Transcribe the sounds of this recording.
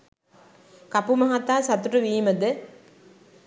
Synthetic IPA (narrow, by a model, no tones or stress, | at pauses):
kɐpumɐɦat̪aːsɐt̪uʈuʋiːmɐd̪ɨ